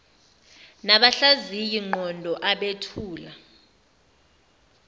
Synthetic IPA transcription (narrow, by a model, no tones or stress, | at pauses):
naɓaɬazijiŋ͡ǃɔndʱɔʔaɓetʰuːla